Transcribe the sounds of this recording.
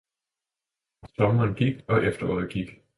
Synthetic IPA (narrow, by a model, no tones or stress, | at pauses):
sɒmɐnɡ̥iɡ̥ɒ̽ʔefd̥ɐɔ̰ːð̩ˠɡ̥iɡ̥